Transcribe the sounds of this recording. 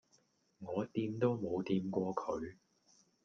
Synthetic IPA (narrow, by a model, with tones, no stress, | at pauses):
ŋɔː˨˧t̪iː˧mt̪o˥wmo˨˧wt̪iː˧mkʷɔː˧kʰɵ˨˧ɥ